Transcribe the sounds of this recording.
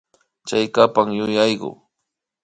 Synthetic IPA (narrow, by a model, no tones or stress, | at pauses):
t͡ʃajkapaŋjʊjajɢʊ̰